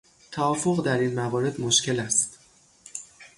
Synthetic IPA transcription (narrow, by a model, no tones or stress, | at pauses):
t̪ʰæɒːfo̞ɣd̪æɾinmævɒːɾe̞d̪mo̞ʃce̞læst̪